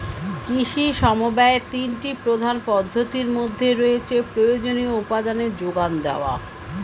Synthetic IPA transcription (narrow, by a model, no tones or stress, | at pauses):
kɾiʃiʃɔmobɛet̪inʈipɾod̪ʱanpɔd̪ʱːot̪iɾmod̪ʱːeɾoet͡ɕʰepɾojod͡ʑonioupad̪aned͡ʑoɡand̪ɛoa̰